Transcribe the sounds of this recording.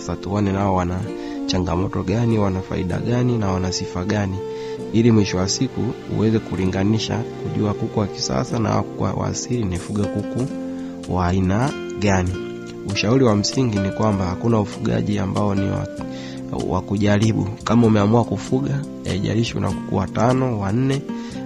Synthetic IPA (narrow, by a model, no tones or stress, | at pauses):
satuɔnɛnaɔwana | t͡ʃaŋɡamɔtɔɡaniwanafa̰ḭɗa̰ɡaninawanasifaɡani | ilimwiʃɔwasiku | ṵwɛzɛkuliŋɡaniʃa̰kuʄuakukuwaki̥sa̰sana̰wakuka̰wa̰silinifuɡakuku | waːina | ɡani | uʃauɾiwam̩siŋɡinikwambahakunaufuɡa̰ʄia̰mbaɔniwa̰ | wa̰kuʄaɾiɓṵkamaumɛamuakufuɡa | ɛ̰ʄa̰ɾiʃṵnʔa̰ku̥kṵatanɔwan̩nɛ